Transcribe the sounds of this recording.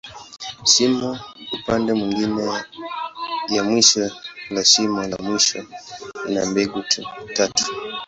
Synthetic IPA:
simuupandɛmwiŋɡinɛ | jamwiʃɔlasimala̰mwiʃɔḭna̰mbɛɡutʰutatu̥

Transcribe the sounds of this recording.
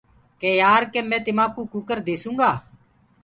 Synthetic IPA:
keːjaːɾkeːmɛ̃ːt̪ɪmãːkuːkʊkəɾd̪eːsũːŋɡaː

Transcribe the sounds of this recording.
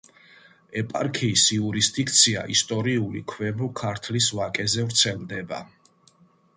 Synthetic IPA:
ɛpʼaɾkʰiːsiuɾisd̪ik̚ʰt̪sʰia̰ʔist̪ʼɔɾiulḭkʰwɛbɾɔkʰaɾt̪ʰlisvakʼɛzɛvɾt̪sʰɛlˠd̪ɛba̰

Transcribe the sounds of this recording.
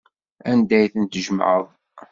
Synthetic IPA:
ænd̪æjθənt̪ʒəmʕəðˤ

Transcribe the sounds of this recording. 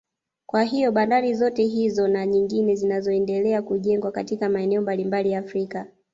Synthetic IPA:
kwaɦijɔɓandaɾizɔtɛɦizɔnaɲiŋɡinɛzinazɔɛndɛlɛakuʄɛŋɡwakatikamaɛnɛɔmbalimbalijaːfɾika

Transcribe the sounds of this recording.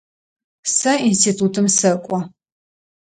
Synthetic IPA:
sɐinstʰiːtʰutʰɨmsɐkʷʼɔ

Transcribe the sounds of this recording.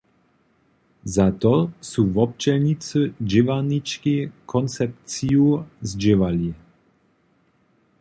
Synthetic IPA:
zat̪ɔsuvɔp̚t͡ʃɛlɲit͡səd͡ʑɪvanit͡ʃkikʰɔnt͡sɛp̚tt͡siuzd͡ʑɪvali

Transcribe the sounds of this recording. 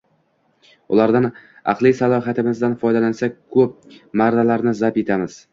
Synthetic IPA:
ʊlˠaɾd̪an | ɑ̰qlˠijsalˠɒɦat̪ʰɪmɪzd̪anfɒjd̪alansakʰɵp̚maɾd̪alaɾnɪzape̞t̪ʰamɪz̥

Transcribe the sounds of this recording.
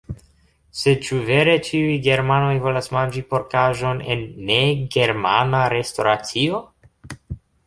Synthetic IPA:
se̞t͡ʃuve̞ɾe̞t͡ʃiujɡe̞ɾmano̞jvo̞lasmand͡ʒipo̞ɾkaʒo̞ne̞̰nːe̞ɡe̞ɾmanaɾe̞sto̞ɾat͡sio̞

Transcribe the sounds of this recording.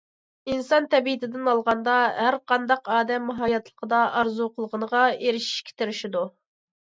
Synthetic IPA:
insɑnt̪ʰɛbiit̪ɪd̪ɪnɑlˠʁɑnd̪ɑɦæɾqʰɑnd̪ɑqɑːd̪ɛmːɦɑjɑt̪ʰlˠə̥qʰəd̪ɑʔɑɾzuqʰəlˠəʁənəʁɑeɾɪʃi̥ʃkʲʰɪ̥t̪ʰɪɾɪʃid̪u

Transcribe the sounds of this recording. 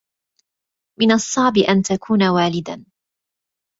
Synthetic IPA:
mɪnɑsˤːɑʕbɪʔant̪akʰuːnawaːlɪd̪an

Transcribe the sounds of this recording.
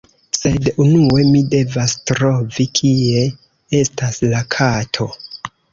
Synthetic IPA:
se̞dunue̞mide̞vastɾo̞vikʰie̞ | e̞staslakʰatʰo̞

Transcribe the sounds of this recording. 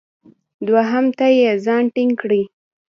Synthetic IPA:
d̪waɦamt̪ajezɑnʈɪŋɡkɽi

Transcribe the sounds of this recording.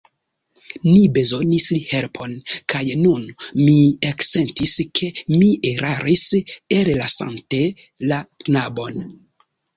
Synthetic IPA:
nibe̞zo̞nislihelpʰo̞nkʰajnunmiekse̞ntiskʰe̞miʔeɾʔaɾiseɾelasa̰nte̞laknabo̞n

